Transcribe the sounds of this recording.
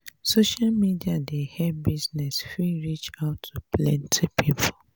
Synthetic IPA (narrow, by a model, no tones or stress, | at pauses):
soʃalmidiadehɛbiznɛsfiɹit͡ʃaʊtʰːuplɛ̃ntʰepʰipʰo